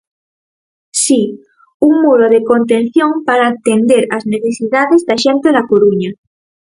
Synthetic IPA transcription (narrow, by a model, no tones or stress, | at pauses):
si | uŋmuɾoðeko̞nt̪̬ẽn̟θjoŋpaɾaːt̪end̪eɾazneθesiðaðezðaʃẽnt̪eðakoɾuɲa